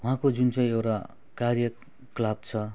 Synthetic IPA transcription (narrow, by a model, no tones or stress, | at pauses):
ɦũãkod͡zunt͡sʌĩewʈa | karjʌ | klab̚t͡sʰʌ